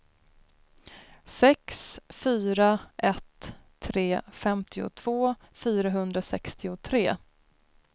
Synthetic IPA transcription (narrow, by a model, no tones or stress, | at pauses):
sɛksfyːɾaʔɛt̪ʰː | ɾeːfɛmt̪ʰɪʊ̰t̪ʰv̥oː | fyːɾaɦɵnd̪ɾasɛkst̪ɪʊt̪ʰɾeː